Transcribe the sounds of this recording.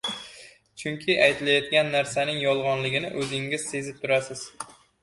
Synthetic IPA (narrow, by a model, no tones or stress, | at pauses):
t͡ʃʰʊŋkʲʰɪʔajt̪ʰɪlajɒt̪̚ɡʲanːaɾsanɪŋjɒlˠʁɒnlɪɡʲɪnɪʔɵzɪŋɪz̥se̞zɪp̚t̪ʰʊɾasɪz̥